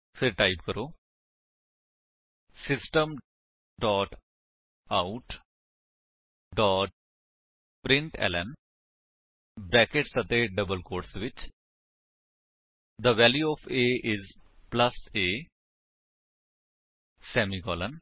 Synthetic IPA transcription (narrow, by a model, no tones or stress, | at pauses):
pʰɪɾʈaːɪpkəɾoː | sɪsʈəm | ɖɔːʈ | aʈ | ɖɔːʈ̚ | pɾɪ̃ɳʈɛ̰ːlɛn | bɾɛːkeʈsət̪eːɖəbəlkoːɾʈsʋɪt͡ʃ | d̪əʋɛːljuɔːfʰeːʔɪzpləseː | sɛːmikɔːlən